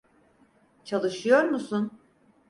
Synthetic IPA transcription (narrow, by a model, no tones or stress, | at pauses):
t͡ʃʰalˠɯʃɯjo̞ɾmusun